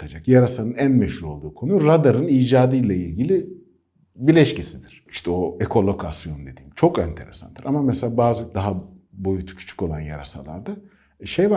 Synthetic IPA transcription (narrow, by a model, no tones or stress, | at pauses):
t̪ʰad͡ʒakjaɾasanɯnænmeʃhuɾo̞lˠd̪uːkʰo̞nuɾad̪aɾɯniːd͡ʒaːd̪ɯjlʲˠailʲɟilʲi | bilʲɛʃcesid̪iɾ̥iʃt̪ʰɛo̞ekʰo̞lˠo̞kʰasjo̞nd̪e̞d̪iːmt͡ʃʰo̞kɛnt̪ʰe̞ɾesa̰nd̪̥ɯɾʔamamɛselʲaːbaːzɯd̪aɦabo̞jut̪ʰu̥cʰy̥t͡ʃʰy̥co̞lˠanja̰ɾa̰sa̰lˠa̰ɾd̪a | ʃejva